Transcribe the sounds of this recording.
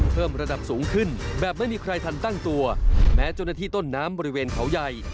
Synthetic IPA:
pʰɤː˥˩mɾa˧da˨˩p̚suː˩˦ŋkʰɯ˥˩nbɛː˨˩p̚ma˥˩jmiː˧kʰɾa˧jt̪ʰa˧nt̪a˥˩ŋt̪u˧ɐmɛː˦˥t͡ɕaː˥˩naː˧t̪ʰiː˥˩t̪o˥˩nːaː˦˥mbɔː˧ɾi˦˥weː˧nkʰa˩˦wja˧j

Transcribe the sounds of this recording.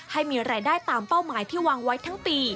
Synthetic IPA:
ha˥˩jmiː˧ɾaː˧jdaː˥˩jt̪aː˧mpa˥˩wmaː˩˦jt̪ʰiː˥˩waː˧ŋwa˦˥jt̪ʰa˦˥ŋpiː˧

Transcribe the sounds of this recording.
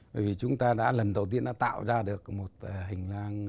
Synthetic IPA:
əː˧˨jvi˨˩t͡ɕʊ˨˦ŋ͡mt̪aː˧ɗa̰ː˧˥lə˨˩nɗə˨˩wt̪i˧ənːɔ̰˧˥t̪a̰ː˧˨wzaː˧ɗɨ˨˩ək̚mo˨˩t̚ːɦï˨˩ŋ̟laː˧ŋ

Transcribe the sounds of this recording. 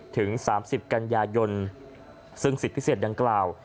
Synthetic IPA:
t̪ʰɯ˩˦ŋsaː˩˦msi˨˩p̚ka˧njaː˧jo˧n | sɯ˥˩ŋsi˨˩t̪̚pʰi˦˥seː˨˩t̪̚da˧ŋklaː˨˩w

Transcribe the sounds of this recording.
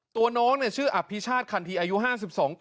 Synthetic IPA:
t̪u˧ɐnɔː˦˥ŋni˦˥˩ɐt͡ɕʰɯː˥˩ʔa˨˩pʰːi˦˥t͡ɕʰaː˥˩t̪̚kʰa˧nt̪ʰiː˧ʔaː˧ju˦˥ɦaː˥˩si˨˩p̚sɔː˩˦ŋ

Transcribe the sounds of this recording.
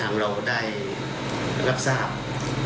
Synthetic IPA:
a˧˦ŋɾa˧wdaː˥˩j | ɾa˦˥p̚saː˥˩p̚

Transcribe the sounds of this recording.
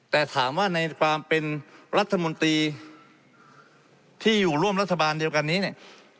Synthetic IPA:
t̪ɛː˨˩t̪ʰaː˩˦mwaː˥˩na˧jkʰwaː˧mpe˧nɾa˦˥t̪ʰːa˧mo˧nt̪ɾiː˧ | t̪ʰiː˥˩juː˨˩ɾu˥˩əmɾa˦˥t̪ʰːa˧baː˧ndi˧əwka˧nːiː˦˥ni˥˩ə

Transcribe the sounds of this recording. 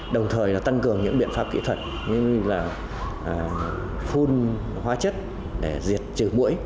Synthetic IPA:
ɗə˨˩wŋ͡mt̪ʰəː˨˩jlaː˨˩t̪a˧ŋkɨ˨˩əŋɲɨ̰˧˥ŋɓḭ˧˨ənfaː˦˥p̚kḭ˧˥t̪ʰə˧˩t̚ | ɲɨ˧ŋlaː˨˩ | ʔː | fu˧n | hwaː˨˧˦t͡ɕə˦˥t̚ | ɗe˧˩zi˨˩ət̚t͡ɕɨ˧˩mṵ˧˥əj

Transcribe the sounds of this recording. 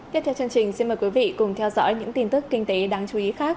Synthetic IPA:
t̪i˦˥t̪ʰɛ˧wt͡ɕɨ˧əŋt͡ɕï˨˩ŋ̟si˧nməː˨˩jkwi˨˦vḭ˧˨kʊ˨˩ŋ͡mt̪ʰɛ˧wzɔ̰˧˥jɲɨ̰˧˥ŋt̪i˧nt̪ɨ˦˥kːï˧ŋ̟t̪e˨˦ɗaː˧ŋt͡ɕu˨˦i˨˦xaː˦˥k̚

